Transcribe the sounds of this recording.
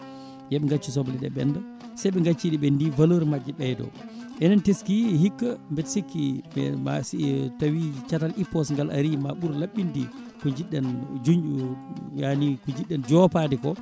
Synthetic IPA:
jɛɓɛŋɡat͡ʃːis̬ɔbliɗɛ̰ɓɛ̰nda | sajɓɛŋɡat͡ʃːiɗiɓɛndivaloɾimad͡ʒːɛɓɛjdɔ̰ʔɛnanteskihikːambɛtsikːiɓɛma̰stawit͡ʃatalʔipːɔsŋɡala̰ɾimaɓuɾlaɓːindi | kɔɲd͡ʒiɗːɛnd͡ʒuɲd͡ʒujanikɔɲd͡ʒiɗːɛnd͡ʒɔpadɛkɔ

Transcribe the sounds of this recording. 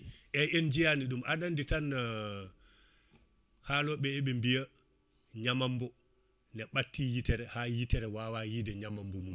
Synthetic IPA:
ʔɛend͡ʒijaniɗumʔaɗanditan | haːlɔɓɛɛɓɛmbija | ɲamambɔ | nɛɓatːijitɛɾɛhajitɛɾɛwawajidɛɲamambɔmum

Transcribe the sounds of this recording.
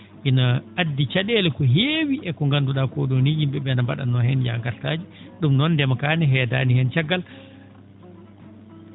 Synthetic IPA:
ʔinaadːit͡ʃaɗɛlɛkɔɦeːwiʔɛkɔŋɡanduɗakɔɗonihimbɛɓɛnambaɗa̰nːɔhɛnja̰ŋɡaɾtaːd͡ʒiɗumnɔnːdɛmakaːnɛɦɛːda̰ːnihɛnt͡ʃaɡːal

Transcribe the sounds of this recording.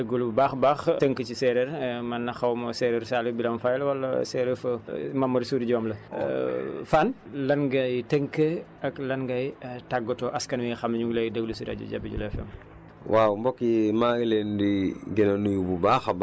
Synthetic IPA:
əɡːulbaːxbaːxtəŋkət͡ʃisɛɾɛɾmɐnːɐxɐwmɔsɛːɾɛɾsalibilɐmfajlwɐlːɐ̰sɛːɾɛfɐmɐmːɐɾsuːɾiɟɔːmlɐ̰ | fan | lɐnɡɐjtəŋkə | ɐklɐnɡɐjtaɡːɔtɔʔɐskɐnwixɐmɲuɡlɛjdəɡəlusiɾa̰ɟṵɟa̰biɟṵlɛfɛ̰m | waːwmbɔkːimaɡilendiɡɛnɐnujububaːxb

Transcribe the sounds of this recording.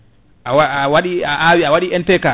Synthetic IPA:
ʔawaawaɗiaʔawiawaɗiʔɛntɛka

